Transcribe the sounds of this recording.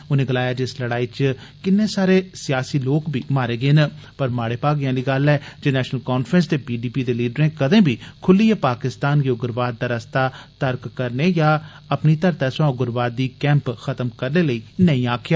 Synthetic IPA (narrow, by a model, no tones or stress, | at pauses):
ʊnẽːɡəlaːjaːd͡ʒɪsləɽaːiːt͡ʃ | kɪnːẽːsaːɾeːsɪjaːsiːloːkbʱiːmaːɾeːɡeːnəpəɾmaːɽeːpaːɡɪjãːliːɡəlɛːd͡ʒeːnɛːʃnəlkɔːnfʰɾə̃ns̬t̪eːpiːɖiːpiːd̪eːliːɖəɾẽːkəd̪ẽːbʱiːkʰʊlːiːeːpaːkɪst̪aːnjoɡʊɾʋaːt̪̚d̪aːɾəst̪aːt̪əɾkːəɾneːjaː | əpniːt̪əɾt̪aːsãːɡʊɾʋaːt̪̚d̪iːkɛ̃ːmpxʰət̪mkəɾneːləiːnəĩːaːkʰjaː